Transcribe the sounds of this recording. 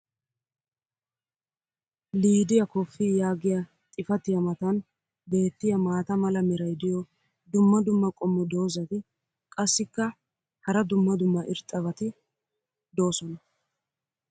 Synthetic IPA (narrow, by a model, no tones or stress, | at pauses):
liːd̪ɪjɐkɔfːijaːɡɪja | t̪ʼɪfɐt̪ɪjɐmɐt̪ɐn | be̞ːt̪ːɪjɐmaːt̪ɐmɐlɐmɛɾɐjd̪ɪjɔ | d̪ʊmːɐd̪ʊmːɐkʼɔmːɔd̪o̞ːzɐt̪ɪ | kʼɐsːɪkːɐ | hɐɾɐd̪ʊmːɐd̪ʊmːɐʔɪɾt̪ʼːɐβɐt̪ɪ | d̪o̞ːsɔnɐ